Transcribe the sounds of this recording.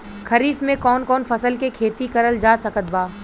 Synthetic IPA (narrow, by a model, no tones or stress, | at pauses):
kʰɐɾiːfmẽkɔːnkɔːnfɐsəlkekʰeːt̪ikɐɾəld͡ʒaːsɐkət̪̚baː